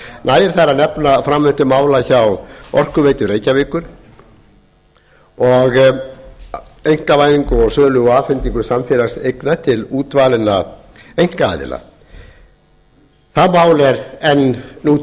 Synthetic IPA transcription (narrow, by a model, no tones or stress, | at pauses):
naːjɪɾ̥θaɾanɛpnafɾamːʏnt̪ʏmaːwlaçawɔr̥kʏvejt̪ʏreːjcavɪːkʏɾ̥ | ɔɣ | ejŋ̥kavaːjðiŋkʏɔɣsœːlʏɣɔaːfɪnt̪iŋkʏsamfɪɾast̪ejknat̪ʰɪluːt̪vaːlɪna | ejŋ̥kaa̰ːðɪ̰la̰ | θaðmaːwlɛɾɛnnu